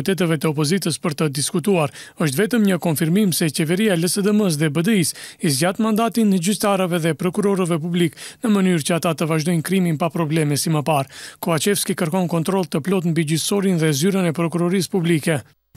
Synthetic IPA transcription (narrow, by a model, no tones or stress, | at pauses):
t̪ɛt̪ɛvɛt̪əɔpɔzit̪əspəɾt̪əd̪iskut̪uaɾəʃ̬t̪vɛt̪əmɲəkɔnfiɾmimsɛt͡ɕɛvɛɾiaɛləsɛd̪əməs̬ðɛbəd̪əisizɟat̪mand̪at̪inəɟyst̪aɾəvɛðɛpɾɔkuɾɔɾəvɛp̬ubliknəmənyɾt͡ɕəat̪at̪əvaʒd̪ɔjnkɾiminpapɾɔblɛmɛsiməpaɾkɔvat͡ʃɛfskikəɾkɔnkɔnt̪ɾɔlˠt̪əplɔt̪mbiɟyθsɔɾinðɛzyɾənɛpɾɔkuɾɔɾispublikɛ